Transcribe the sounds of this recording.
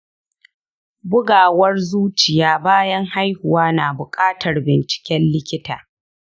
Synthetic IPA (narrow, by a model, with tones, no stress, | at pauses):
bʊ˦ɡaː˨wɐ˦rzuː˦t͡ʃɪ˨jaː˦baː˦jɐ˦ŋha˦jhʊ˨waː˦naː˨bʊ˨kʼaː˦tɐ˨rbɪ˨nt͡ʃɪ̥˨kʲɛ˦nlɪ˦kʲɪ˦taː˨